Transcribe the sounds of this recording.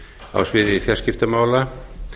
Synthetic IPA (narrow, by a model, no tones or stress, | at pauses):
a̰wsvɪðɪfjɛr̥scɪft̪amaːwla